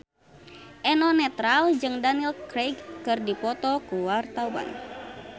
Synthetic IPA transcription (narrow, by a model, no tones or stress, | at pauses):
ʔɛnɔnɛt̪ɾald͡ʒɨŋdanilkɾeɡːɨrdipɔt̪ɔkuwart̪awa̰n